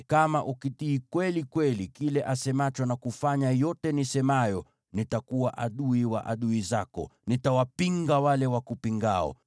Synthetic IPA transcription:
kamaʔukitiːkwɛlikwɛlikilɛʔasɛmat͡ʃwanakufaɲajɔtɛnisɛmajɔ | nitakuwaʔaɗuiwa̰ʔaɗuizakɔ̰nitawapiŋɡawalɛwakupiŋɡaɔ̰

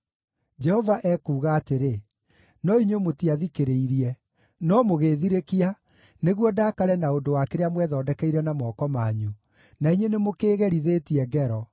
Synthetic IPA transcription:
d͡ʒɛhɔvaʔɛkuːɣaːteɾe | nɔiɲomotiaðikeɾeiɾiɛ | nɔmoɣeːðiɾekia | neɣwɔdaːkaɾɛnaondowakeɾeamwɛðɔːdɛkɛiɾɛnamɔːkɔmaɲu | naiɲwenemokeːɣɛɾiðeːtiɛɡɛɾɔ

